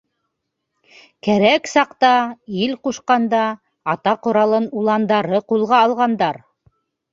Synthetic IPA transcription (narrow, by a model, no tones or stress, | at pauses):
kæɾæksɑqt̪ɑilquʃqɑnd̪ɑ | ɑt̪ɑqŏɾɑlˠɤnulˠɑnd̪ɑɾɤqulˠʁɑːlˠʁɑnd̪ɑɾ